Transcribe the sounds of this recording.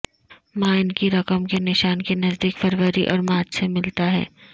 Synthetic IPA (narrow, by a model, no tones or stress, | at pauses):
mãɪnkiɾɐkəmkenɪʃaːnkenɐzd̪iːkfɐɾʋəɾiʔɔ̰ːɾmaːt͡ʃsemɪlt̪aɦɛ̰ː